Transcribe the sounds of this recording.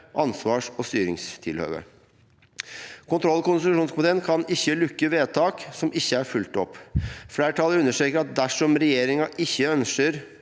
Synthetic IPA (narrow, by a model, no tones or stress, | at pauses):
ʔɑnsʋɑːʂɔst̪yːɾɪŋst̪ʰɪlhø̰ːʋə̰ | kʰʊnt̪ʰɾɔlːɔkʊnsɪt̪ʉʂuːnsmʊd̪ɛlnkʰɑnɪçːəlʉkːəʋeːt̪ʰɑːksɔmɪçːəæɾfʉlt̪ɔpːfleːəʈʰɑlːəʉnːəʂʈɾeːkəɾɑt̪̚d̪æʂɔmɾɛjeːɾɪŋɑʔɪçːəœnsəɾ